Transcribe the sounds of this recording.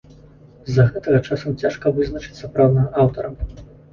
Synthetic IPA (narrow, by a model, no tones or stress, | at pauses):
zːɐɣɛt̪ɐɣɐt͡ʂasɐmt͡sʲaʂkɐvɨznɐt͡ʂɨ̥t͡sʲsɐpɾawd̪nɐɣɐʔawt̪ɐɾɐ